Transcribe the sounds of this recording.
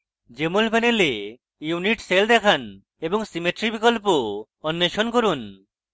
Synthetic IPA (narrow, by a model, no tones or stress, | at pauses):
d͡ʒemulpɛnele | juniʈseld̪ɛkʰan | ebɔŋsimeʈɾibikɔlpoː | nːeʃonkoɾun